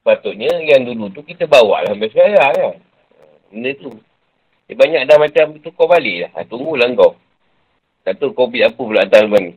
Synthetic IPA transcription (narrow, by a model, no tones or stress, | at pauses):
spat̪ʊʔɲəjaŋdulut̪ukit̪əbawa̰ʔlahmbasajaja | ə | məndət̪u | əbaɲak̚damat͡ʃamt̪ukɔbalɪʔlaha̰t̪uŋɡulaŋɡɔw | t̪aʔt̪okobit̪apəpəlaʔat̪almani